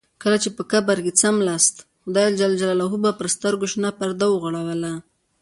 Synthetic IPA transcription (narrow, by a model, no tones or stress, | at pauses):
kəlat͡ʃepəkabaɾɡet͡samlast̪xʊd̪ɑjald͡ʒald͡ʒalalaɦubapəɾst̪əɾɡoʃnapaɾd̪awəɣaɽawəla